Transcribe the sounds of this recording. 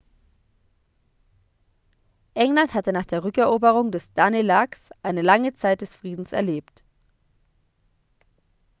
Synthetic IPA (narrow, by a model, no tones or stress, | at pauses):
ʔɛŋlanthatənaːχd̥eːɐʁʏkɛɐʔoːbəʁ̞ʊŋdɛsd̥anelaksʔaɪnəlaŋət͡saɪt̚d̥ɛsfʁ̥iːdn̩sɛ̰ɐleːpt